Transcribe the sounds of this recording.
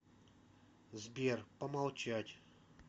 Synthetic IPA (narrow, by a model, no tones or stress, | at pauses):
zbʲerpəmalˠt͡ɕatʲ